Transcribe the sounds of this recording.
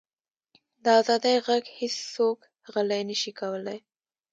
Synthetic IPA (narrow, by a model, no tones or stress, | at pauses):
d̪əazɑd̪əjɣaɡhesːok | ɣəlajnəʃikawəlaj